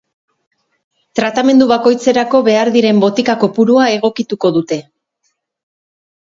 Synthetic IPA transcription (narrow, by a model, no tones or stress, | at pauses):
t̪ɾat̪ame̞nd̪uβako̞jt͡se̞ɾako̞βe̞aɾðiɾe̞mbo̞t̪ikako̞puɾuae̞ɣ̞o̞kit̪uko̞ðut̪e̞